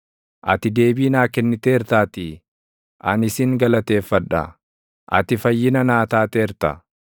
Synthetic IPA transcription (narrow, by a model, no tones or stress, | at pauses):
ʔɐ̰t̪ɪd̪e̞ːbiːnaːkɛnːɪt̪eːɾt̪aːt̪i | ʔɐnɪsɪŋɡɐlɐt̪e̞ːfːɐᶑɐ̰ | ʔɐ̰t̪ɪfɐjːɪnɐnaːt̪aːt̪eːɾt̪ɐ̰